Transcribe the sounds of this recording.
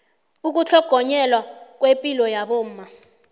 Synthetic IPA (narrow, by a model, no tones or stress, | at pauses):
uk̬ʼut͡ɬʰɔɡ̥ʱɔɲɛlwak̬ʼwepʼilɔjaɓom̩ːma